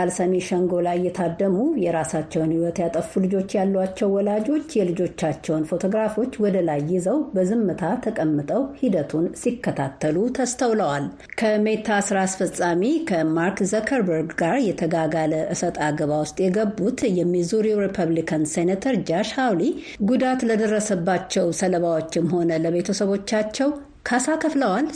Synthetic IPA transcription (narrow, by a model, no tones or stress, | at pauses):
alsəmiʃəŋɡo̞lajːɛt̪ʰad̪ːəmujɛɾasat͡ʃːɛwnhiwɔt̪jat̪ʼəfulɨd͡ʒo̞t͡ʃːjalːwat͡ʃːɛwːɔlad͡ʒo̞t͡ʃːjɛlɨd͡ʒo̞t͡ʃːat͡ʃːɛwnfo̞t̪ʰoɡɾafo̞t͡ʃːwɔd̪əlajːɪzəwbəzɨmːɨt̪ʰat̪ʰəkʼəmːɨt̪ʼəwhid̪ət̪ʰunsikːət̪ʰat̪ʰːəlut̪ʰəst̪ʰəwləwal | kʰəmet̪ʰasɾasfəsʼamikʰəmaɾkzəkʰəɾbəɾɡɡaɾjɛt̪ʰəɡaɡaləʔɨsət̪ʼaɡəβawʊst̪ʼjɛɡəbːut̪jɛmːizuɾiuɾipʰəβlikʰənsenet̪ʰəɾd͡ʒaʃhawli | ɡud̪at̪ləd̪ərːəsəbːat͡ʃːɛwsələβawo̞t͡ʃːɪmho̞nələβe̞t̪ʰəsəβo̞t͡ʃːat͡ʃːɛw | kʰasakʰəfləwal